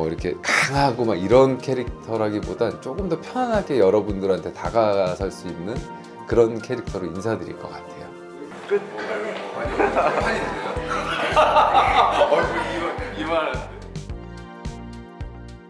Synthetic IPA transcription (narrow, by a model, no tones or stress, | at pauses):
ʌiɾʌkʰe̞̰kaŋɦaɡomaɡiɾʌnkʰeɾik̚tʰʌɾɦaɡibodant͡ɕ͈oɡɯmdʌpʰjʌŋanɦakejʌɾʌbundɯɾantʰe̞taɡasʰaɭs͈uimnɯn | kɯɾʌnkʰeɾik̚tʰʌɾoinsʰadɯɾḭɭk͈ʌk͈atʰe̞jo | k | i | imaae